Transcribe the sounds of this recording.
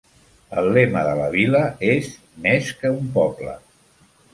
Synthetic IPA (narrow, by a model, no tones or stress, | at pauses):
əlˠlːeməðələβiləez | meskəumpɔblə̰